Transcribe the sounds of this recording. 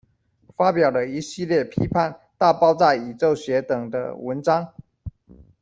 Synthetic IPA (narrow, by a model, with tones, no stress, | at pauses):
fa˦pjɑ˨˩ʊlə˦i˧˥ɕi˥˧ljɛ˥˩pʰḭ˦˥pʰa˥˨nt̪a˥˨pɑ˥ʊt͡sa˥˩ɪi˨˩t͡so˥˨ʊɕɥɛ˨˦t̪ɤ˨˩ŋd̪ə̰˦wə˧˦nʈ͡ʂɑ˥ŋ